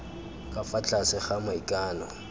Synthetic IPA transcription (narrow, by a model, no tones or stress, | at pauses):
kʼafat͡ɬʼasɪχamʊikʼaːnɔ